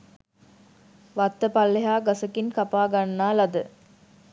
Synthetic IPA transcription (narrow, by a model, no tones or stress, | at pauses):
ʋat̪ːəpalːeɦaːɡasəkinkapaːɡanːaːlɐd̪ə